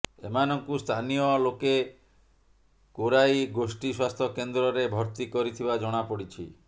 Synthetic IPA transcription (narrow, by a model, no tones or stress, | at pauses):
ḛmanɔŋkust̪ʰanijɔloke | koɾajɡosʈiswast̪ʰɔkend̪ɾɔɾebʱɔɾt̪ikɔɾit̪ʰibad͡ʒɔɽ̃apɔɽit͡ʃʰḭ